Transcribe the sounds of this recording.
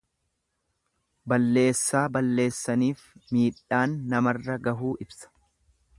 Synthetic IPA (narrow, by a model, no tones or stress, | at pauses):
bɐlːe̞ːsːaːbɐlːe̞ːsːɐniːfmiːᶑaːnːɐmɐrːɐɡɐɦuːʔɪbsɐ̥